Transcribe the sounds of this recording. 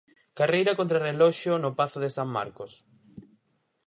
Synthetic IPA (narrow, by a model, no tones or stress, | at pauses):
karejɾɐkont̪ɾarelɔʃjonopaθoðɪsamma̰ɾkos